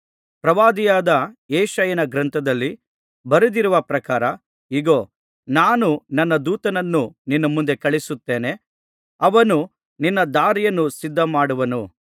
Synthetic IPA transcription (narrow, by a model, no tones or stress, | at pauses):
pɾɐʋaːd̪ijaːd̪ɐeːʃɐjɐnɐɡɾɐnt̪ʰɐd̪ɐlːi | bɐɾid̪iɾuʋɐpɾɐkaːɾɐ | iɡoː | naːnunɐnːɐd̪uːt̪ɐnɐnːuninːɐmund̪e̞kɐɭisut̪ːe̞ːne̞ | ɐʋɐnu | ninːɐd̪aːɾijɐnːusid̪ːɐmaːɽuʋɐnu